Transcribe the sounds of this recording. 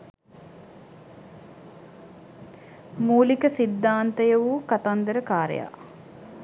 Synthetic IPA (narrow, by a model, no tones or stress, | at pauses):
muːlikəsid̪ːaːnt̪əjɐʋuːkat̪and̪əɾəkaːɾḛja̰ː